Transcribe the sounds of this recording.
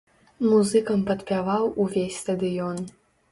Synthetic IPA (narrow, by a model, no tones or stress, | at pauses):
muzɨkɐmpɐt̪pʲavawuvʲesʲst̪ɐd̪ɨjɔn